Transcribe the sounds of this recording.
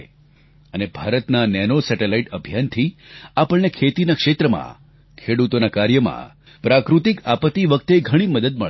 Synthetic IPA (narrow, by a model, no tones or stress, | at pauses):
ənebʱaɾət̪nanɛnosɛʈelaiʈəbʱjant̪ʰiapəɭnekʰet̪inakʂet̪ɾəmã̰ | kʰeɽut̪onakaɾjəmã̰ | pɾakɾut̪ikapət̪iʋək̚t̪eɡʱəɽ̃iməd̪əd̪məɭ